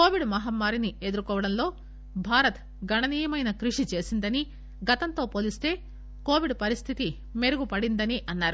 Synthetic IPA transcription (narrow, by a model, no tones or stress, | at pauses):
ko̞ːʋiɖmɐɦaːmːaːɾinie̞d̪uɾukɔːʋɐɽɐnlo̞ː | bʱaːɾɐt̪ | ɡɐɳɐniːjɐmɐjnɐkɾuʂit͡ʃe̞ːsind̪ɐni | ɡɐt̪ɐnt̪o̞ːpoːlist̪e̞ː | ko̞ːʋiɖpɐɾist̪ʰit̪i | me̞ɾuɡupɐɽind̪ɐniʔɐnːaːɾu